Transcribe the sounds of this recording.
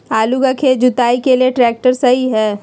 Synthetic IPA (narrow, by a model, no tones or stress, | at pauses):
aːluɡəkʰed͡ʒʊt̪aːikelieʈɾɛːk̚ʈəɾsɐɦiɦɛː